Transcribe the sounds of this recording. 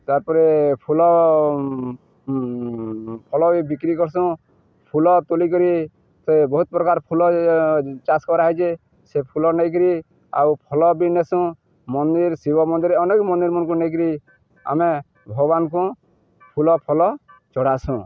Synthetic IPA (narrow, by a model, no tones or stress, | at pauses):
t̪aɾpɔɾepʰulɔ | pʰɔlɔbibikɾikɔɾsũ | pʰulɔt̪olik̬ɔɾi | sɔjbɔɦut̪̚pɾɔkaɾpʰulɔ | t͡ʃaskɔɾaɦit͡ʃe | sepʰulɔnɛjk̬ɾi | a̰wpʰɔlɔbinesũ | mɔnd̪iɾsibɔmɔnd̪iɾeɔnekmɔnd̪iɾmɔnkũnejk̬ɾi | a̰me | bʱɔɡɔbankũ | pʰulɔpʰɔlɔt͡ʃɔɽ̤asũ